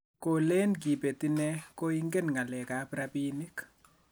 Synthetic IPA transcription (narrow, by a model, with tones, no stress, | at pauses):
ko˨le˦nki˨pe˨ti˦nɛ˦ko˦i˦ŋɡe˦nŋa˨lɛ˨ka˨pɾapi˦ni˦k